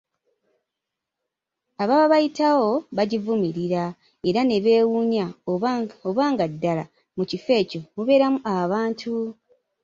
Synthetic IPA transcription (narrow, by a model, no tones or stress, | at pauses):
aβaβaβajitawo̞βaɟivumiɾiɾa | e̞ɾane̞βe̞ːwuɲa | oβaːŋɡadːala | mucife̞ːco̞muβe̞ːɾamuʔaβaːntʰu